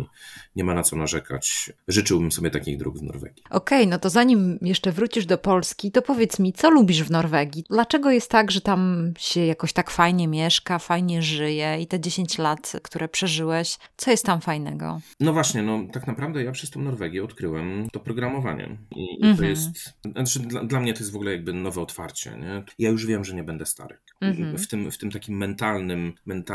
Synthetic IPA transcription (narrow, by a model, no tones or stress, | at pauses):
ɲɛmanat̪sɔnaʐɛkʰa̰t͡ɕʐɘt͡ʂɘwbɘmsɔbʲɛt̪akʲiɣd̪ɾṵɡvnɔ̰ɾvɛ̰ɡʲjiʔɔkɛjnɔt̪ɔzaɲimjɛʂt͡ʂɛvɾut͡ɕiʐd̪ɔpɔlskʲit̪ɔpɔvʲjɛt̪smʲit̪sɔlubʲiʐvnɔɾvɛɡʲjid̪lat͡ʂɛɡɔjɛst̪ːaɡʐɛt̪amɕɛjakɔɕt̪akfajɲɛmʲjɛʂkafajɲɛʐɘjɛit̪ɛd͡ʑeɕeɲt͡ɕlat̪kt̪uɾɛpʂɛʐɘwɛɕt̪sɔjɛst̪ːamfajnɛ̰ɡɔ̰nɔvwaɕɲɛnɔt̪aknapɾavd̪ɛjapʂɛst̪ɔ̃w̃nɔɾvɛɡʲjɛɔt̪kɾɘwɛmt̪ɔpɾɔɡɾamɔva̰ɲɛ̰ḭiɔjɛst̪t͡ʂɘd̪lad̪lamɲɛt̪ɔjɛsvɔɡulɛjaɡ̚bɘnɔvɛɔt̪fa̰ɾt͡ɕɛ̰ɲɛjajuʐvʲjɛmʐɛɲɛbɛnd̪ɛst̪a̰ɾɨ | ft̪ɘmft̪ɘmt̪akʲimːɛnt̪alnɘmːɛnt̪a